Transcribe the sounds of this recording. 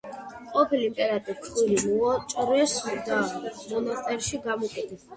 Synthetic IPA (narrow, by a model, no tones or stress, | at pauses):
qʼɔpʰilimpʼɛɾat̪ʼit̪ʰχilimuɔt͡ʃʼɔɾɛsid̪amɔnast̪ʼɛɾʃiɡamɔkʼɛt̪ʰɛs